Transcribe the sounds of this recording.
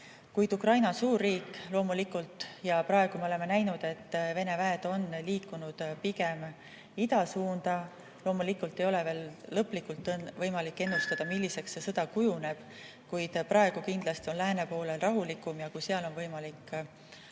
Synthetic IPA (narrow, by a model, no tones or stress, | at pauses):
kujd̪ukrɑjnɑsuːrːiːkːˑlo̞ːmulikːˑult̪ˑjɑpɾɑeɡ̥umeole̞menæjnud̪̥e̞t̪ːve̞ne̞væed̪̥o̞nliːkːˑunud̪̥piɡ̥e̞m | id̪̥ɑsuːnd̪̥ɑ | lo̞ːmulikːˑult̪ːe̞jo̞le̞ve̞ːlːɤpːˑlikːˑult̪ːˑvɤ̞jmɑlikːe̞nːust̪ɑd̪̥ɑmilʲːise̞ksːesɤd̪̥ɑkujune̞b̥ | kujd̪̥pɾʔɑe̞ɡ̥ukind̪lɑst̪io̞nlæːne̞po̞ːle̞lrɑɦulikːˑumjɑkujseɑlo̞nvɤjmɑlikː